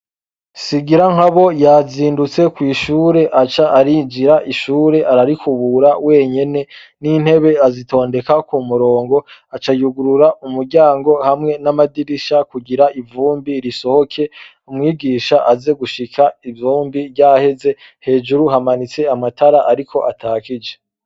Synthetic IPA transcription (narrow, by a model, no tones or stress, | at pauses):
siɡiɾaŋ̥haβo̞jaziːndut͡se̞kwiːʃuːɾe̞ʔat͡ʃaʔːɾid͡ʒiɾaʔiʃuːɾe̞ʔaɾaɾikʰuβuɾawe̞ːɲe̞ne̞ | nin̥he̞βe̞azito̞ːnde̞kakumuɾo̞ːŋɡo̞at͡ʃajuɡuɾuɾaʔumuɾɟaːŋɡo̞hamŋe̞namadiɾiʃakuɡiɾaʔivuːmbiɾiso̞ho̞kʰe̞ | umŋiːɡiːʃaʔaze̞ɡuʃikʰaivjuːmbivɟahe̞ze̞ | he̞ːd͡ʒuɾuɦamanit͡se̞amatʰaɾaʔaɾikʰo̞̰ʔatʰaːkid͡ʒe̞